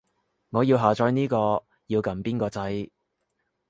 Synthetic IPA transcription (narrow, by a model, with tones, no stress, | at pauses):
ŋɔː˨˧jiː˧wɦaː˨t͡ʃɔː˧jniː˥kɔː˧ | jiː˧wkɐ˨˥mpiː˥nkɔː˧t͡sɐ˨˥j